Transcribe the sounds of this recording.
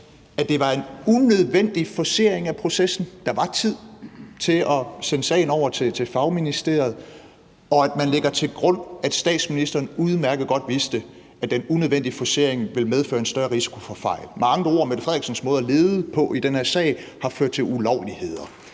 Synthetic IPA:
æd̥e̝ʋɑ̈e̝nunøð̞ˠʋen̰d̥ifɒse̝ɐ̰eŋæpʰʁo̝sesn̩d̥ɑ̈ʋɑ̈t͡sʰið̞̰ˠt͡sʰe̝lɒ̽senəsɛ̰ɪnɒʊ̰ɐt͡sʰe̝t͡sʰe̝fɑ̈ʊminisd̥e̝̰ɐð̩ˠ | ɒ̽æd̥mænleɡ̥ɐt͡sʰe̝lɡ̥ʁɔ̽n̰æd̥sd̥ɛ̰ːd̥sminisd̥ɐːnuð̞ˠmæɐɡ̥ð̩ˠɡ̥ɒ̽d̥ʋisd̥ə | æd̥enunøð̞ˠen̰d̥ifɒse̝ɐ̰e̝ŋʋe̝lmeð̞ˠføːɐe̝nsd̥ɶɐʁisi̥kʰo̝fɒ̽fɑ̈ɪ̰lmɑ̈ŋəo̝ɐ̰med̥efʁɛðˠɡsən̩smɔ̽ːðˠɐle̝ːð̩ˠəpʰɒ̽ʔid̥enhæɐ̰sɛ̰ɪhɑ̈føɐd̥̚t͡sʰe̝lulɒʊlihe̝ð̞̰ˠɐ

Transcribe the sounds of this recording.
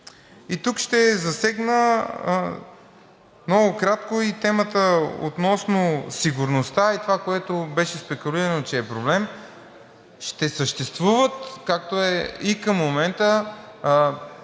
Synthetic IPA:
it̪ukʃt̪ɛzɐsɛɡnə | mnɔɡʊkɾat̪koit̪ɛmət̪əo̰t̪nɔsnosiɡʊɾnost̪ait̪ovakoɛt̪obɛʃɛspɛkuliɾənot͡ʃɛːpɾoblɛm | ʃt̪ɛsəʃt̪ɛst̪vuvət̪kak̚t̪oɛikəmːomɛnt̪ə

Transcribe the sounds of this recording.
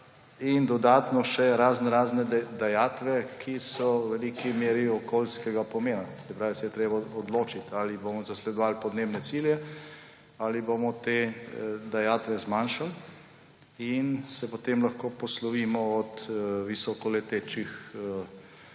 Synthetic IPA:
ind̪ɔd̪aːt̪nɔʃɛɾaːznɾaːznɛd̪ajaːt̪ʋɛkʰisɔwʋɛlikimeːɾiɔkoːlskɛɡapɔmeːnasɛpɾaːʋisɛjɛt̪ɾeːbaɔd̪loːt͡ʃit̪alibomɔzaslɛd̪ɔʋaːlpɔd̪neːbnɛsiːljɛ | aliboːmɔt̪ed̪ajaːt̪ʋɛzmaːnʃal | insɛpot̪emlɐxkoːpɔslɔʋiːmɔɔt̪ʋisɔkɔlɛt̪eːt͡ʃix

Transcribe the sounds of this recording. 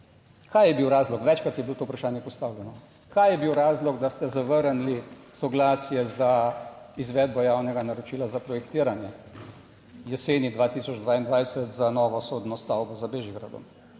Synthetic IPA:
kʰajɛbiwɾaːzlɔkʋɛt͡ʃkɾat̪jɛbilot̪oːupɾaʃaːnjɛpɔst̪awlɛnɔ | kaːjɛbiwɾaːzlɔɡd̪ast̪ɛzaʋəɾnlisɔɡlaːsjɛzaizʋɛːd̪bɔjaːwnɛɡanaɾɔt͡ʃiːlazapɾɔjɛkt̪iːɾanjɛ | jɛseːnid̪ʋaːt̪iːsɔd͡ʒd̪ʋaːind̪ʋajsət̪zanɔːʋɔsod̪nɔst̪awbɔzabeʒiɡɾa̰d̪ɔ̰m

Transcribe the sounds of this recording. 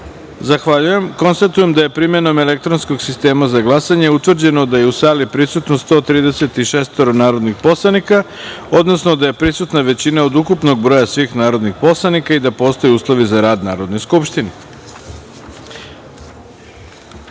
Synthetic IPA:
zaxʋaʎujemko̞nst̪at̪uje̞md̪aje̞pɾime̞no̞me̞le̞k̚t̪ɾonsko̞ɡsist̪e̞ːmazaɡlˠasaɲe̞ut̪ʋr̩d͡ʑe̞no̞d̪aje̞usaːlipɾisut̪nost̪o̞ːt̪ɾiːd̪e̞se̞t̪iʃeːst̪oɾonaːɾod̪nixpo̞slˠanika | od̪no̞sno̞d̪aje̞pɾisut̪naʋe̞t͡ɕinaod̪ukupno̞ɡ̚bɾo̞jasʋiːxnaːɾo̞d̪nixpo̞slˠanikaid̪apo̞ːst̪ojuːslˠo̞ʋizaɾaːd̪naːɾo̞d̪no̞jskupʃt̪ine

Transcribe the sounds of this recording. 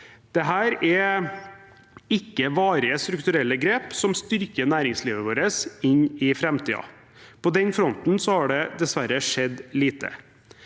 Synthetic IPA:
d̪̥ɛɦæːɾɛ | ɪkːəʋɑːɾɪəst̪ɾʉk̚t̪ʉɾɛlːəɡɾeːpsɔmst̪ʏɾkənæːɾɪŋsliːʋəʋoːɾəsɪɲɪfɾɛmt̪ʰiːɑ̰ | pʰɔd̪ɛnfɾɔnt̪n̩sɔhɑɖɛd̪ɛsʋæɾəʂɛd̪liːt̪ʰə̰

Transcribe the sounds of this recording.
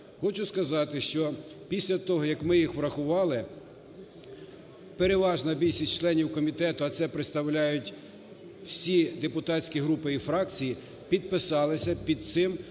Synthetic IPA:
xɔt͡ʃʊskɐzɑt̪ɪʃt͡ʃɔpʲisʲlʲɐt̪ɔɦɔjɐkmɪjixʋɾɐxʊʋɑlˠɪ | peɾeʋɑʒnɐbʲilʲʃʲisʲt͡ʃlˠɛnʲiwkɔmʲit̪ɛt̪ʊɐt̪sɛpɾeɪt̪st̪ɐwlʲajʊtʲ | wsʲid̪epʊt̪ɑsʲkʲiɦɾupɪifɾɑkt͡sʲiji | pʲid̪̚pɪsɑlˠɪsʲɐpʲid̪̚t̪sɪm

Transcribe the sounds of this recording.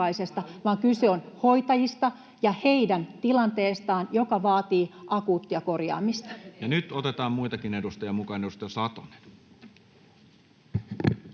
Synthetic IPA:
ɑise̞st̪ɑʋɑːŋkyseonho̞it̪ɑjist̪ɑ | jɑheidænt̪ilɑnt̪eːst̪ɑːnjo̞kɑʋɑːt̪iːʔɑkuːt̪ːiɑko̞rjɑ̰ːmist̪ɑ̥jɑnyt̪ot̪et̪ɑːmmuit̪ɑkinedust̪ɑjɑmukɑːnedust̪ɑjɑsɑt̪one̥n

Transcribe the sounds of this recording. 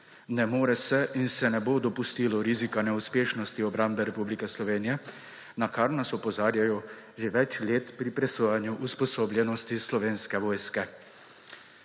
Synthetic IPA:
nɛmoːɾɛsɛʔinsɛnɛboːd̪ɔpust̪iːlɔɾizikanɛuspeːʃnɔst̪iɔbɾambɛɾɛpublikɛslɔʋeːnijɛ | nakaɾnasɔpɔzaːɾjajɔ | ʒeʋɛt͡ʃleːt̪pɾipɾɛsoːjanjuʔuspɔsoːblʲjɛnɔst̪islɔʋeːnskɛʋɔːjskɛ

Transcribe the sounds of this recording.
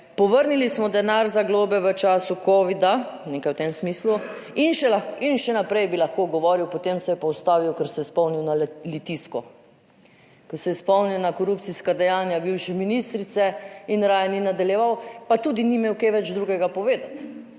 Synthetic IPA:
pɔʋəɾnilismɔd̪ɛnaɾzaɡloːbɛʋət͡ʃaːsukɔːʋid̪anekajwt̪emsmiːsluinʃɛlaxinʃɛnapɾɛjbilaxkoɡɔʋɔːɾiwpɔt̪emsɛjɛpɔwst̪aːʋiwkəɾsɛjɛspɔwniwnalit̪iskɔ | kɔsɛjɛspɔwniwnakɔɾupt̪siskad̪ɛjaːnjabiwʃɛminist̪ɾit̪sɛinɾaːjɛninad̪aljɛʋawpat̪uːd̪inimeːwkeʋɛd͡ʒd̪ɾuɡɛɡapɔʋeːd̪at̪

